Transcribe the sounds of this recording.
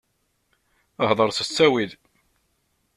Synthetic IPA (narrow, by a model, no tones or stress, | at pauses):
əɦðˤəɾˤsəsːæwið